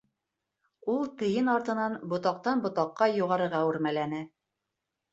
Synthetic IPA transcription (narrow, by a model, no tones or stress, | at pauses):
ulˠt̪ɤ̆jɤnɑɾt̪ɤ̆nɑnbŏt̪ɑq̚t̪ɑnbŏt̪ɑqːɑjuʁɑɾɤ̆ɾʁɑʉɾmælænɘ